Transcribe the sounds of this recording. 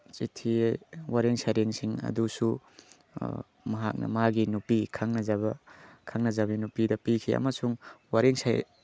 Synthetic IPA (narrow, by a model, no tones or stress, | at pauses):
t͡ʃitʰiwaɾeŋsajɾeŋsiŋɐ̰dusu | mɐɦak̚nɐ̰maɡinupikʰaŋnɐzaβɐkʰaŋnɐzabinupidɐpikʰiɐ̰mɐsuŋwaɾiŋsaj